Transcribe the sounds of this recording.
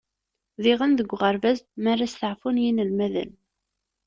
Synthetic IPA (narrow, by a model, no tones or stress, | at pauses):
ðɪʁənðəɡʷːʁəɾvæzmarːasθəʕfunjinəlmæðə̰n